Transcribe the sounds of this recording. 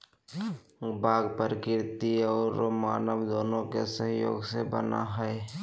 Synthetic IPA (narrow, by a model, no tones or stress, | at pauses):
baːɡpəɾkɪɾt̪iɔːɾmaːnəʋd̪oːnõkesəɦjo̰ːɡsebə̰na̰ɦɛe